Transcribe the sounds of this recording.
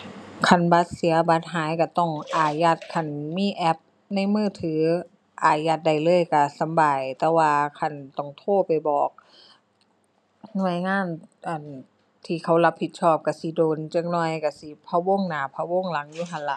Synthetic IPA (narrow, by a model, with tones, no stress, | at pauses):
kʰa˧˩nba˧˦˥t̪̚si˨˦ɐba˧˥t̪̚ɦaː˨˦jka˧˩t̪ɔ˧˩ŋʔaː˨˩ja˧˥t̪̚kʰa˧˩nmiː˧˥˨ʔɛ˧˥p̚ | na˧˥˨jmɯː˧˩t̪ʰɯː˨˦ | ʔaː˨˩ja˧t̪̚da˧˩jlɤː˧˥˨jka˧˩sa˨˦mbaː˨jt̪ɛː˧waː˧kʰa˧˩nt̪ɔ˧˩ŋt̪ʰoː˧˩pa˨˩jbɔː˨˩k̚ | nu˧˩əjŋaː˧˥˨nʔa˨˩n | t̪ʰiː˧˩kʰa˧˩wla˧˥p̚hi˧˦t̪̚sʰɔː˧˥˩p̚ka˧˩si˧˦doː˨nt͡ɕa˧˥k̚nɔ˧˩jka˧˩si˧˦pʰa˧wo˧˥˨ŋnaː˨˧˩pʰa˧wo˧˥˨ŋla˨˦ŋjuː˧˦kʰa˧˩nla̰˧˩ʔ